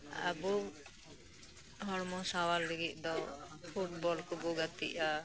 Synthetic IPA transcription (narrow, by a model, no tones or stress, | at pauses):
a̰bu | ɦɔɽmɔ̃sawalːiɡit̚ˀd̪ɔpʰuʈ̚bɔlkubuɡat̪ḭʔa